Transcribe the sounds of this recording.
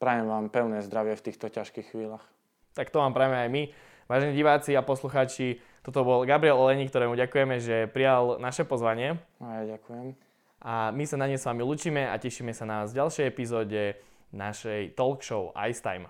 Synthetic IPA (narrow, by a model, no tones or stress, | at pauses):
pɾajɛmʋaːmpɛʊnɛːzd̪ɾaʋɪɛft̪iːxt̪ɔcaʃkiːxxʋiːlaːx | t̪akt̪ɔʋaːmpɾaːjɛajmi | ʋaːʒɛniɟiʋaːt͡siapɔsluxaːt͡ʃi | t̪ɔt̪̬ɔbɔlɡabɾiɛlɔlɛɲiːk̚t̪ɔɾɛːmuɟakujɛmɛʒɛpɾijalnaʃɛpɔzʋaɲɪɛajaɟakujɛm | ʔamisanaɲɛsʋaːmiluːt͡ʃiːmɛa̰cɛʃiːmɛsanaazɟalʃɛjɛpizɔːɟɛ | naʃɛjt̪ɔlkʃɔʊa̰jst̪a̰jm